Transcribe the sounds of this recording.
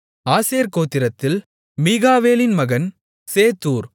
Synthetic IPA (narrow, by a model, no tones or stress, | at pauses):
aːseːɾkoːt̪ːɪɾɐt̪ːɪl | miːɣaːʋeːlɪnmɐɣɐn | seːt̪ːuːɾ